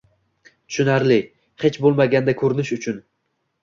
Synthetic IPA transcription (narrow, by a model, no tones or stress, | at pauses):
t̪ʰʊ̥ʃʊnaɾlɪ | het͡ʃbolˠmaɡʲand̪akʰɵɾɪnɪʃʊt͡ʃʰʊn